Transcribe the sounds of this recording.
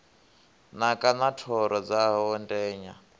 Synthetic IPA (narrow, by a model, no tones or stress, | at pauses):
nakʼanatʰɔɾɔd͡zaɔndʼɛːɲa